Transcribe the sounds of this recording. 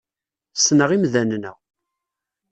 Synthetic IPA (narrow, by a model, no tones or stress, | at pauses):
snəʁimðænnə̰ʁ